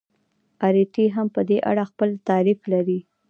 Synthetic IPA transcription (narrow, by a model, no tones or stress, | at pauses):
ɑɾiʈiɦampəd̪eʔa̰ɽaxpəlt̪ɑɾiflaɾi